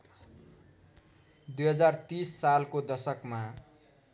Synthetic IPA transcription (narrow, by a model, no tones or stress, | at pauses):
d̪ujɦʌd͡zart̪isːalkod̪ʌsʌkma